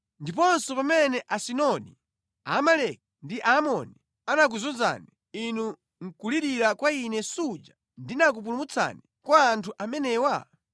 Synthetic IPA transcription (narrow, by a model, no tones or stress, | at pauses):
ndip̬ɔnsɔpamɛnɛʔasinɔnḭ | a̰ːmalɛk̚ndiʔaːmɔni | anak̬uzunza̰ni | inu | ŋ̩kuliɾiɾakwainɛsud͡ʒa | ndinak̬up̬ulumut͡sʰa̰ni | kwaːntʰuʔamɛnɛːwa